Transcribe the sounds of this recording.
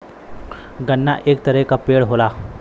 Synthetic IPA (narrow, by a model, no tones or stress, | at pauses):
ɡənːa̰ʔeːk̚t̪əɾɛkapeɽɦola